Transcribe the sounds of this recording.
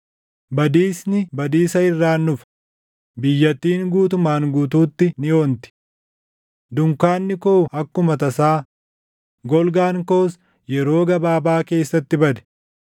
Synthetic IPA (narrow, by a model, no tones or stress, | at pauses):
bɐd̪iːsnɪbɐd̪iːsɐɪrːaːnːʊf | bɪjːɐt̪ːiːŋɡuːt̪ʊmaːŋɡuːt̪uːt̪ːɪnɪo̞ːnt̪ɪ̥ | d̪ʊŋkaːnːɪkoːhɐkːʊmɐt̪ɐsaː | ɡɔlɡaːŋkoːs | jɛɾo̞ːɡɐbaːbaːke̞ːsːɐt̪ːɪbɐd̪ɛ̥